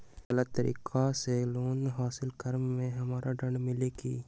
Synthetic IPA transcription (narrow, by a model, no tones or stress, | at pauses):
ɡələt̪t̪ːəɾḭːkʰaseloːnɦaːsɪlkəɾmːẽɦɐmaːɾʔaɖə̃ɳɖmɪleɡiː